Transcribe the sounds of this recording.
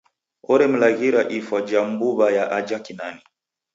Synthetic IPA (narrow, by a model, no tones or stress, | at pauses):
ɔɾɛm̩laɣiɾaʔifwad͡ʒam̩buβajaʔad͡ʒakinani